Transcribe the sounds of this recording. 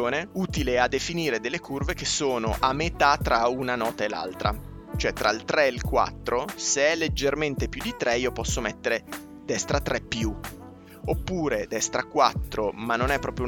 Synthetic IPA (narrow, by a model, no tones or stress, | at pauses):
oːneuːt̪ilead̪ːefiniːɾed̪elːekʰurvek̟esoːnoʔamːet̪at̪ːɾaunanɔːt̪aela̰lt̪ɾa̰ | t͡ʃoɛt̪ːɾailt̪ɾɛelkwa̰t̪ːɾoseɛlːed͡ʒːerment̪epjud̪ːit̪ɾɛiopɔsːomɛt̪ːeɾe | d̪ɛst̪ɾat̪ːɾɛpːju | opːuːɾed̪ɛst̪ɾakːwat̪ːɾomanːonɛpːɾɔːpɾjou